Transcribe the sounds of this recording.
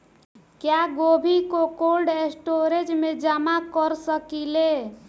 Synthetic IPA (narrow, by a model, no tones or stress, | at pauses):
kjaɡobʱikokolɖesʈoɾed͡ʒmed͡ʒamakəɾsəkile